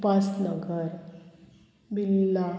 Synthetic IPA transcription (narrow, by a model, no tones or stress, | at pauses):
pasnəɡəɾ | bilːa